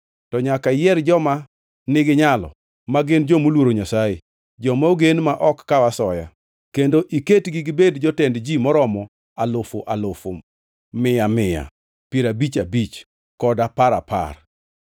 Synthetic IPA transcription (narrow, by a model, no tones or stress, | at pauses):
tɔɲakajɛrd͡ʒɔma | nɪɡɪɲalɔ̰ | maɡɪnd͡ʒomolwoɾoɲasaje | d͡ʒɔmaoɡenmaʔɔkːawasɔja | kendoʔiketɡɪɡɪbedd͡ʒɔtɛndd͡ʒimɔɾɔmɔ | alofoʔalofo̰ | mɪjamɪja̰ | peɾabit͡ʃabit͡ʃ | kɔdapaɾa̰pa̰r